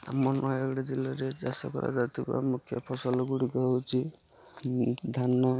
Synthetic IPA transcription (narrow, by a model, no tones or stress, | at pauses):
a̰mɔnʔɔjɔɡɽid͡ʒilaɾed͡ʒasɔ̰kɔɾa̰d͡ʒat̪ʰiba̰mukʰːjɔ̰pʰɔsɔlɔɡuɽikɔwt͡ʃʰi | d̪ʱanːɔ